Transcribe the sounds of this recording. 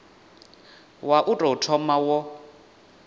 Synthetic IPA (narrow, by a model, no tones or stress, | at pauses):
waʔutʼɔtʰɔmawɔ